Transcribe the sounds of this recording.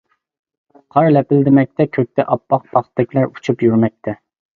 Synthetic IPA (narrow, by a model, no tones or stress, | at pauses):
qʰɑɾlɛpɪld̪ɪmɛk̚ʲt̪ʰɛkʲʰøk̚ʲt̪ʰɛʔɑpːɑq̚pʰɑχt̪d̪ɛkʲlæɾu̥t͡ʃʰupjyɾmɛk̚ʲt̪ʰɛ